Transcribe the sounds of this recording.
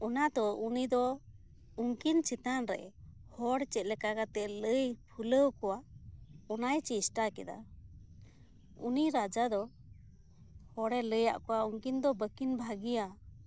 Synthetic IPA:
ɔnad̪ɔunid̪ɔ | uŋkint͡ʃit̪anɾɛ̰hɔɽt͡ʃɛt̪̚lɛkakat̪ɛʔləjpʰuləwkɔwa | ɔnajt͡ʃisʈakɛd̪a̰ | ṵniɾad͡ʒad̪ɔ | hɔɽɛləja̰ʔkɔwauŋkind̪ɔbəkinbʱaɡija

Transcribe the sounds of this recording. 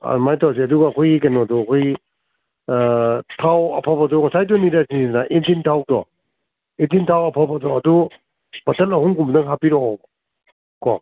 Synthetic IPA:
a̰majtʰaws̬iɐduɡaːkʰojikɐnɔdɔɐkʰoji | tʰawɐ̰pʰabadɔŋɔsajdɔniɾasininaʔentintʰaw̚dɔ̰ | entintʰawɐpʰabadɔɐdu | b̥ɐtɐlɐɦuŋkumdɐŋɦapiɾɔ | kɔ

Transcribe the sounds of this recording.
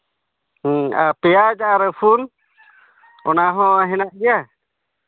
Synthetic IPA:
a̰pɛjad͡ʒaɾəpʰun | ɔnaɦɔ̃ɦɛnaʔɡɛja

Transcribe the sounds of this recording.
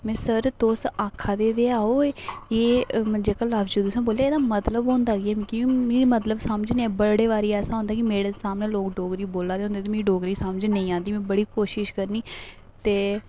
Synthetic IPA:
mɛ̃ːsəɾt̪oːsaːkʰːaːd̪eːd̪eːaːoːeːeːd͡ʒeːkaːlaːbd͡ʒuːd̪usãːboːleːeːd̪aːmət̪ləbɦõːnd̪aːɡiɛːmĩːkɪĩːmeːɾiːmət̪ləbsaːməd͡ʒneɛ̃ːbəɽeːʋaːɾiːɛːsãːɦõnd̪aːkimeːɽeːsaːmneːloːkɖoːɡɾiːboːlaːd̪eːɦʊ̃ːnd̪eːt̪eːmẽːɖoːɡɾiːsaːməd͡ʒnə̃ĩːãːnd̪iːmɛ̃ːbəɽiːkoːʃɪʃkəɾniː | t̪eː

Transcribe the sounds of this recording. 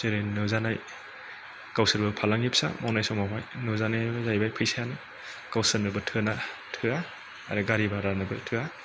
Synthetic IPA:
seɾenɯzanaj | kawsɯɾbɯpʰalaŋep̚sa̰mɔnajsɔmawajnɯzanajzajbajpʰɯjsajanɯ | kawsɯnɯbɯtʰɯnatʰɯa | a̰ɾɯɡaɾibaɾanɯbɯtʰɯa

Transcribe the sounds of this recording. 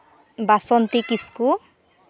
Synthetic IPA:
basɔnt̪ikisku

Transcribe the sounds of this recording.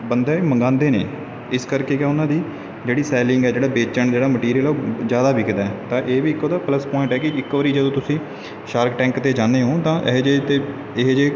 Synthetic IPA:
bənd̪ɛːməŋɡãːnd̪eːnḛː | ɪskəɾkeːkɛʊnãːd̪iː | d͡ʒeːɽiːsɛːlɪŋɡɛːd͡ʒeːɽaːbeːt͡ʃəɳd͡ʒeːɽaːməʈiːɾiəloːzjaːd̪aːbiːkd̪aːɛt̪ãːʔeːʋiːɪkːoːd̪aːpləspɔːɪ̃ɳʈɛːkɪɪkːʋəɾiːd͡ʒəd̪õːt̪ʊsĩː | ʃaːɾkʈɛ̃ːŋkt̪eːd͡ʒãːnd̪eːɦõːt̪ãːʔɪɦd͡ʒet̪eː | ɪɦːd͡ʒeː

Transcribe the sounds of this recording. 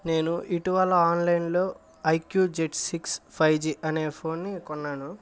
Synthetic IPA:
ne̞ːnuʔiʈiʋɐlːɐaːnlɐjnlo̞ː | ɐjkjuːd͡ʒeʈsikspʰɐjd͡ʒiːʔɐne̞ːpʰo̞ːnːikɔnːaːnu

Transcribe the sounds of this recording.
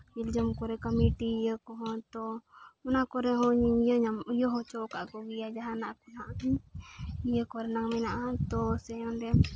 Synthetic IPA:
ild͡ʒəmkɔɾɛkəmiʈijəkɔɦɔ̃t̪ɔɔnakɔɾɛɦɔ̃ɲijəɲamujɔɦɔt͡ʃɔkaʔkɔɡijad͡ʒaɦanaʔkɔnaʔi | ijəkɔɾɛnaŋmɛnaʔãt̪ɔsɛɔ̃ndɛ

